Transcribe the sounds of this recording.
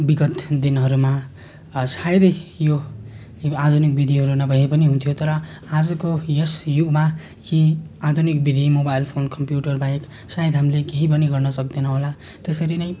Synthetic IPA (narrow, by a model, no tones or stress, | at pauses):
biɡʌt̪d̪inɦʌɾuma | sajd̪ʌjjo | ad̪ʱunik̚bid̪ʱiɦʌɾunʌbʱʌɦepʌniɦunt̪ʰjot̪ʌɾʌ | ad͡zʌkojesjubma | kiad̪ʱunikbid̪ʱimobajlpʰonkʌmpjuʈʌrbajk | sajed̪ɦamlekeɦipʌniɡʌrnʌsʌk̚d̪enʌɦola | t̪esʌɾinʌj